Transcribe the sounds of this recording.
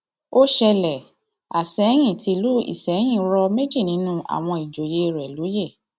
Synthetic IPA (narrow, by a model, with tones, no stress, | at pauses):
o˦ʃɛ˧lɛ˨ | a˨sɛ˨˦j̃ĩ˦˨ti˧˦˧lu˦ḭ˦˨sɛ˨˦j̃ĩ˦˨ɾɔ˧me˦d͡ʒi˦˨nĩ˨˦nũ˦a̰˨w̃ɔ̃˧i˨d͡ʒo˨je˨˦˧ɾɛ˨lu˨˦je˦˨